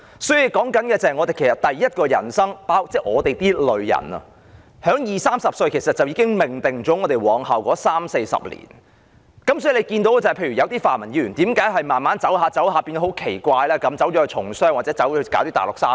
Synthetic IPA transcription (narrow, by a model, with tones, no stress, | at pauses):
sɔː˨˥ji˧wkɔː˨˥ŋkɐ˨˥nkɛː˧t͡sa˨˩hɐ˨ŋɔː˨˧e˨jkʰe˨˩sɐ˨˩t̚t̪ɐ˨jːɐ˥t̚kɔː˧jɐ̰˨˩nsɐ˥ŋpaː˥wt͡sɛː˥˩ŋɔː˨˧t̪e˨jt̪iː˥lɵ˨˧ɥjɐ̰˨˩nɐ̰˧ | hœː˨˥ŋjiː˨˩saː˥msɐ˨p̚sɵ˧ɥkʰe˨˩jsɐ˨t̚t͡sɐ˨wjiː˧˥kɪ˥ŋmɪ˨˩ŋt̪ɪ˨˩ŋt͡ʃɔː˨˥ŋɔː˨˧t̪e˨jwɔː˨ŋha˨wkɔː˨˥saː˥mse˧jsɐ̰˨p̚lḭː˨˩n | kɐ˨˦msɔ˨˥i˨˩le˨˧jkiː˧nt̪o˨˥wɛ˥˩t͡sɐ˨jpʰe˧jɥy˨˩jɐ˨˧wt̪iː˥faː˨nmɐ˨˩njiː˨˥ɥy˨˩nt̪iː˨˥mkaː˨˥jɦɐ˨jmaː˨˩nmaː˨˥nt͡sɐ˨˥wɦaː˨˧t͡sɐ˨˥wɦaː˧piː˧n˧˥hwkʰe˨˩jkʷaː˧jlɛː˥kɐ˨˥mt͡sɐ˨˥wt͡ʃɔː˨˥˧t͡ʃʰʊ˨˩ŋsœː˥ŋwaː˨tt͡sɛː˨˥t͡sɐ˨˥wkaː˨˥t̪iː˥t̪aː˨˩lʊ˨k̚saː˥